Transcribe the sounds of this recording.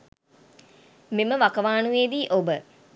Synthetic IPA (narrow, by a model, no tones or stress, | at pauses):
meməʋakɐʋaːnueːd̪iːʔobə